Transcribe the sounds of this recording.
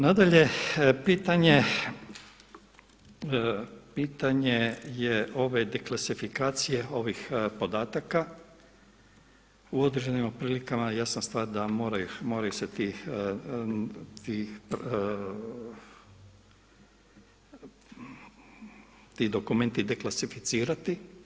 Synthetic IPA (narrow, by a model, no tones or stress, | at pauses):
nad̪aʎe̞piːt̪aɲe | piːt̪aɲejeo̞ʋe̞d̪eklˠasifikaːt̪sije̞o̞ʋixpo̞d̪aːt̪aka | uo̞d̪ɾed͡ʒe̞nimopɾiːlikamajasanst̪ʋaːɾd̪amo̞ːɾajumo̞ːɾajuset̪i | t̪i | t̪id̪o̞kume̞nt̪id̪e̞klˠasifit̪siːɾat̪i